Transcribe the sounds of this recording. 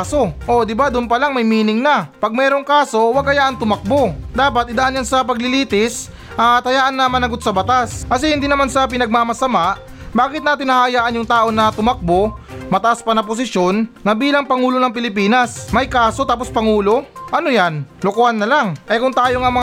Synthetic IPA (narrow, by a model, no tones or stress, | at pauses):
so̞ʔod̪ɪbad̪ʊnpɐlaŋmɐjmiːnɪŋnɐpɐɡ̚mɛːɾo̞ŋkaːso̞wɐɡ̚kɐjaːʔɐnt̪ʊmɐk̚bo̞d̪aːpɐt̪̚ɪd̪aʔanjansɐpɐɡ̚lɪliːt̪ɪs | ʔat̪ɐjaːʔɐnːɐmɐnɐɡot̪̚sɐbɐt̪askɐs̬ɛhɪnd̪iːnɐmansɐp̬ɪnɐɡ̚mamɐsɐmaʔ | baːkɪt̪̚naːt̪ɪnːɐhajaːʔɐnjʊŋt̪aːʔo̞nɐt̪ʊmɐk̚bomɐt̪ɐʔaspɐnɐpos̬ɪʃjo̞nːɐbiːlɐŋpɐŋuːlonɐŋpɪlɪp̬iːnɐsmɐjkaːso̞t̪aːpo̞spɐŋuːlo̞ʔɐnojanlʊkoːhanːɐlaŋʔɐjkʊŋt̪aːjoŋamɐ